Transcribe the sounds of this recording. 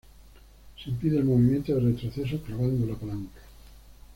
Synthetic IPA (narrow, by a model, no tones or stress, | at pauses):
semt̪iðelmoβimjent̪oðeɾret̪ɾoθes̬oklaβand̪olapalaŋkḁ